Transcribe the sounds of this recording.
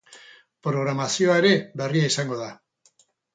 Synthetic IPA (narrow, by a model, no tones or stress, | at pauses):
pɾo̞ɣ̞ɾamasio̞ae̞ɾe̞βeriaisaŋɡo̞ða